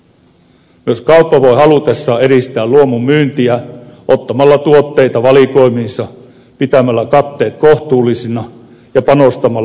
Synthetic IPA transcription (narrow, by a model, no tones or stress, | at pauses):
myøskɑupːɑʋo̞jɦɑlut̪esːɑːe̞ɾist̪æːlluomumːyːnt̪iæʔot̪ːɑmɑlːɑt̪uot̪ːe̞jt̪ɑʋɑliko̞jminsɑ | pit̪æmælːækɑt̪ːe̞ːt̪̚koht̪uːlːisinɑ | jɑpɑnost̪ɑmɑl